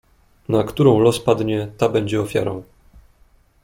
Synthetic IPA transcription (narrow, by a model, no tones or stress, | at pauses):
nakt̪uɾɔ̃w̃lɔspad̪ɲɛt̪abɛɲd͡ʑɛɔfʲja̰ɾɔ̃w̃